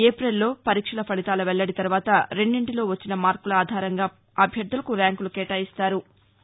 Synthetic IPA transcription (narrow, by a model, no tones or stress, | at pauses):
eːpɾelːo̞ːpɐɾiːkʂɐlɐpʰɐɽit̪aːlɐʋɛɭːɐɽit̪ɐɾuʋaːt̪ɐɾe̞ɳɖiɳʈilo̞ːʋɐt͡ʃːinɐmaːɾkulɐaːd̪ʱaːɾɐŋɡaː | ɐbʱjɐd̪ːulɐkuɾaːŋkulukɛːʈaːjist̪aːɾu